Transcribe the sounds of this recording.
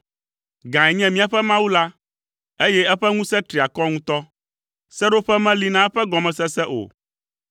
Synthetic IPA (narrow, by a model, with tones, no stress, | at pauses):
ɡã˨ɛ˨ɲɛ̃˦mĩ˦a˨ɸɛ˦mã˦wu˦la˦ | e˦jɛ˦ɛ˦ɸɛ˦ŋũ˦sɛ̃˦t̪ɾi˨a˨kɔ˦ŋũ˦t̪ɔ˦ | sɛ˦ɖo˦ɸɛ˦mɛ̃˦li˦nã˦ɛ˦ɸɛ˦ɡɔ˨mɛ̃˨sɛ˦sɛ˦ʔo̰˨